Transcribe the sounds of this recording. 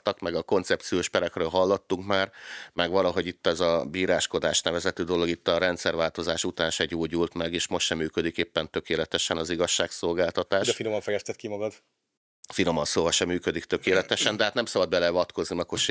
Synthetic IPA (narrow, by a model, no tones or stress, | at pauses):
t̪ɒkmɛɡɒko̞nt̪sɛp̚t̪sijoːʃpɛɾɛkrøːlɦɒlːot̪ːuŋkmaːrmɛɡʋɒlɒɦo̞ɟit̪ːɛzɒbiːɾaːʃko̞d̪aːʃnɛvɛzɛt̪øːd̪o̞lo̞ɡit̪ːɒɾɛnt̪sɛrvaːlt̪o̞zaːʃut̪aːnʃɛɟoːɟult̪mɛɡeːʃmo̞ʃt̪ʃɛmːyːkød̪ikeːpːɛnt̪ø̞keːlɛt̪ɛʃɛnɒziɡɒʃːaːkso̞lɡaːlt̪ɒt̪aːʃd̪ɛfinomɒɱfɛjɛst̪ɛt̪kimɒɡɒd̪ | finomɒnsoːvɒʃɛmːyːkød̪ikt̪ø̞keːlɛt̪ɛʃɛnd̪ɛɦaːt̪nɛmsɒbɒd̪bɛlɛvɒt̪ko̞znimɛkoʃ